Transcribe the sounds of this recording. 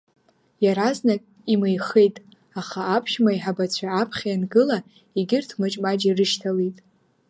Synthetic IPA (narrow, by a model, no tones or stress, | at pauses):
jaɾaznakʼ | imejχejtʼ | aχaːpʰʃmaiħabat͡ɕʷʰaːpʰχʲjanɡɨla | iɡʲɪrtʰmɨt͡ʃʼmad͡ʒirɨʃtʰalijtʼ